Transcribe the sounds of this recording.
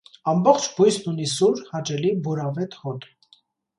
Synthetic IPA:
ɑmbɔχt͡ʃʰbujsnunis̬uɾhɑt͡ʃɛlibuɾɑvɛt̪hɔt̪ʰ

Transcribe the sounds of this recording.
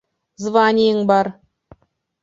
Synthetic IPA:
zvɑnʲijəɴbɑɾ

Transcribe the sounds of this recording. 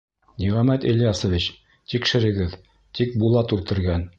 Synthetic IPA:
niʁɑmæt̪iljɑsŏvʲit͡ɕ | t̪ikʃɘ̆ɾɘ̆ɡɘð | t̪ik̚bulˠɑt̪ʉlt̪ɘ̆ɾɡæn

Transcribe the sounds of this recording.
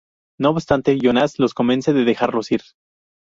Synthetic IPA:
noːβbst̪ant̪e̞ʝonaslo̞sko̞mẽnse̞ðeðe̞xaɾlo̞siɾ

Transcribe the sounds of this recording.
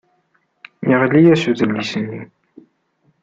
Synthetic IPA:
jəʁlːijæsuðəlːisənːi

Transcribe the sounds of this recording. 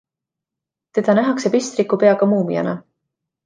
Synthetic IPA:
t̪e̞d̪̥ɑnæɦɑksepist̪ɾikːupe̞ɑɡ̥ɑmuːmḭjɑ̰nɑ

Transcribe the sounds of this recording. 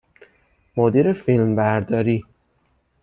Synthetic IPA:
mod̪iːɾefilmbæɾd̪ɒːɾiː

